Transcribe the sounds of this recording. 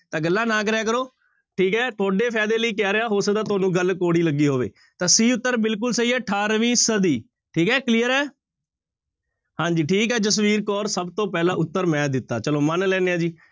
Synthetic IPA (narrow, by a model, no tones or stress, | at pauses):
t̪ãːɡəlːãːnãːkəɾɛːk̬əɾoː | ʈʰiːkɦɛːt̪ʰʊaːɖeːpʰɛːd̪eːləiːkɛːɾeaːɦoːsəd̪aːt̪ʊaːnũːɡəlkoːɽiːləɡːiːɦoːʋḛː | t̪ãːsiːʊt̪ːəɾbɪlk̬ʊlsəiːɛːʈʰaːɾʋĩːsəd̪iː | ʈʰiːkɦɛːkliːjəɾɛː | hãːɲd͡ʒiːʈʰiːkɛːtəsʋiːɾkɔːɾsəbt̪õːpɛːlãːʔʊt̪ːəɾmɛ̃ːd̪ɪt̪ːa̰ːt͡ʃəloːmənlɛːneːãːd͡ʒiː